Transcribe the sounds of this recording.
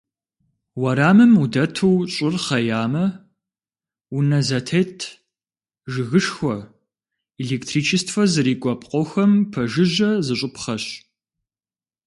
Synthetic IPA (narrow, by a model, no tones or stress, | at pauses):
wɐɾaːmɨmudɐtʰuwɕʼɪrχɐjaːmɐ | ʊnɐzɐtʰetʰ | ʒɨɣɨʂxʷɔ | iɮeːktʰriːt͡ʃʰɪstʰfɐzɨɾiːkʷʼɔpʼqʷʼɔxɐmpʰɐʒɨʑɐzɨɕʼʊpχɐɕ